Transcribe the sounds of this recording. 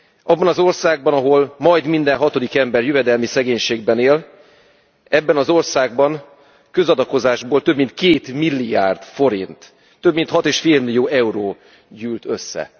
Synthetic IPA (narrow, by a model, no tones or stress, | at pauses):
ʔɒbːɒnɒzo̞rsaːɡ̚bɒnɒɦo̞lmɒjd̪mind̪ɛnɦɒt̪o̞d̪ikɛmbɛrjyvɛd̪ɛlmisɛɡeːɲʃeːɡbɛneːl | ɛbːɛnɒzo̞rsaːɡ̚bɒn | køzɒd̪ɒko̞zaːʒboːlt̪øbmint̪̚keːt̪milːija̰ːrd̪fo̞ɾḭnt̪ː | ø̞bmint̪hɒt̪eːʃfeːlmilːijoːɛuɾoː | ɟyːlt̪ø̞sːɛ̰